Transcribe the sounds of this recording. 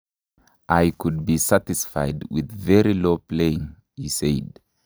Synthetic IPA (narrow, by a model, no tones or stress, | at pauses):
ʔaɪkʰʊd̚bisætɨsfaɪdwɪ̰ðvɛɹilopʰleɪɪ̃ŋ | iseɪd̥